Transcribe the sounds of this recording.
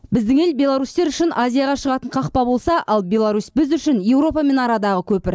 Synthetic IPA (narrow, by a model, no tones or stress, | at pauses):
bɪzd̪ɪŋe̞lbʲe̞lˠaɾust̪e̞ɾʏʃɪnʔazʲijaɑʁɑʃəʁɑt̪əɴqʰɑqpɑbo̞lˠsɑʔʔɑlˠbʲe̞lˠaɾusbɪzʏʃɪnje̞wɾo̞pɑme̞nɑɾɑd̪ɑʁəkʲʰɵpɪɾ